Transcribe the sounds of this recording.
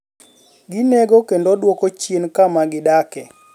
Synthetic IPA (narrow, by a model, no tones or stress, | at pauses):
ɡineɡokendodwokot͡ʃjenkamaɡɪdakɛ